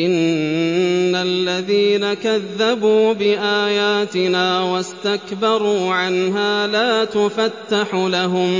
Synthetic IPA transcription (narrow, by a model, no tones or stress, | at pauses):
ʔɪnː | alːaðiːnakaðːabuːbɪʔaːjaːt̪ɪnaːwast̪akbɑɾˤuːʕanɦaːlaːt̪ʊfat̪ːaħulaɦʊm